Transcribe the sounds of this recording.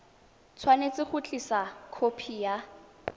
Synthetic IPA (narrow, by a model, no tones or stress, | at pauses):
t͡sʰwanet͡sʼɪχʊt͡ɬʼisakʰopʰija